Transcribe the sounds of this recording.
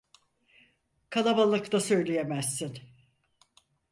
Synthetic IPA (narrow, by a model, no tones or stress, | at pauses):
kʰalˠabalˠɯkt̪asø̞jlʲejemæzːin